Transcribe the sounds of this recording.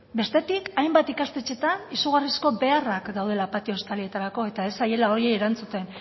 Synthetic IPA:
be̞st̪e̞t̪ikajmbat̪ikast̪e̞t͡ʃe̞t̪anisuɣ̞arisko̞be̞arakd̪awð̞e̞lapat̪io̞st̪alie̞t̪aɾako̞e̞t̪ae̞saje̞lao̞ɾieːɾant͡sut̪e̞n

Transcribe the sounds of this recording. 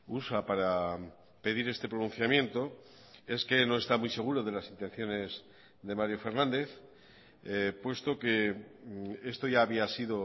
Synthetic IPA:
usapaɾa | pe̞ðiɾe̞st̪e̞pɾo̞nũn̟θjamjẽ̞nt̪o̞ | e̞ske̞no̞e̞st̪amujse̞ɣ̞uɾo̞ðe̞lasint̪e̞n̟θjo̞ne̞z | ðe̞maɾjo̞fe̞ɾnãnd̪e̞θ | pwe̞st̪o̞ke̞ | e̞st̪o̞ʝaːβiasiðo̞

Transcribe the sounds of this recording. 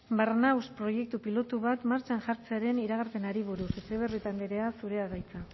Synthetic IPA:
barnawspɾo̞je̞k̚t̪upilo̞t̪uβat̪maɾt͡ʃanʝaɾt͡seaɾe̞niɾaɣ̞aɾpe̞naɾiβ̞uɾusut͡seβ̞erit̪and̪eɾeasuɾe̞aɣajt͡sa

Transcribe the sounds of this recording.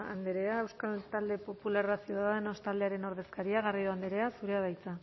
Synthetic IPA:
and̪eɾe̞ae̞wskalt̪ald̪e̞po̞pulaɾasjuðaðenost̪ald̪e̞aɾe̞no̞ɾð̞e̞skaɾiaɣario̞and̪eɾe̞asuɾe̞aβajt͡sa

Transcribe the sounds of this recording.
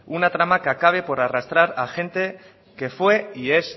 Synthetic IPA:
unat̪ɾamakeakaβ̞e̞po̞ɾarast̪ɾaɾaxẽ̞nt̪e̞ | ke̞fwe̞ie̞s

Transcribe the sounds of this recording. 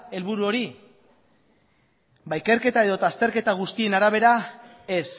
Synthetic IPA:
e̞lβuɾuo̞ɾi | bajke̞ɾke̞t̪ae̞ðo̞t̪ast̪e̞ɾke̞t̪aɣ̞ust̪ie̞naɾaβ̞e̞ɾa | e̞s

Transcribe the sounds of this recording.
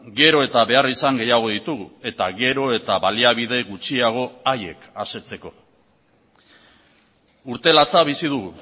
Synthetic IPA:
ɡe̞ɾo̞e̞t̪aβe̞arisaŋɡe̞jaɣ̞o̞ðit̪uɣue̞t̪aɣe̞ɾo̞e̞t̪aβaliaβ̞ið̞e̞ɣut͡ʃiaɣ̞o̞aje̞̰kase̞t͡se̞ko̞ | uɾt̪e̞lat͡saβisið̞uɣu

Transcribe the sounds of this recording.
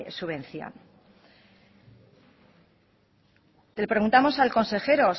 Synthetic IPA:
suβ̞ẽ̞n̟θjo̰n | t̪elepɾeɣunt̪amo̞salko̞nse̞xe̞ɾo̞s

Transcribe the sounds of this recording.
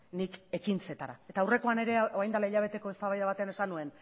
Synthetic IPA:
nike̞kint͡se̞t̪aɾa̰e̞t̪awre̞ko̞ane̞ɾe̞oajnd̪alaiʎaβ̞e̞t̪e̞ko̞e̞st̪aβajðaβat̪e̞ane̞sanue̞n

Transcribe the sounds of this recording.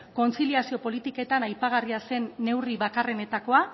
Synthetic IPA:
ko̞nt͡siliasio̞po̞lit̪ike̞t̪anajpaɣ̞ariase̞nːe̞wriβakare̞ne̞t̪ako̞a

